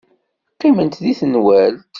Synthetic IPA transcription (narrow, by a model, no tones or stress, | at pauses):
qimənt̪ðiθənwæl